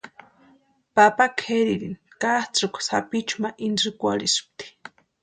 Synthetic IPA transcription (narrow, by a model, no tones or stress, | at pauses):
papakʰeɾiɾin | kaht͡sɨkʷsa̰pit͡ʃumaʔinʐɨkʷa̰ɾisɨ̥p̚t̪i̥